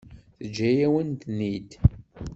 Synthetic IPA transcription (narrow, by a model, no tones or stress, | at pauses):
θəd͡ʒːæjæwənt̪nid̪